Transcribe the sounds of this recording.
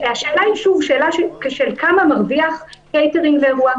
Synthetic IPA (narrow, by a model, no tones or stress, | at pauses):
aʃe̞ːlaiʃuvʃe̞ːlaʃekeʃelkamamaʁviaχkejteʁiŋɡveːʁua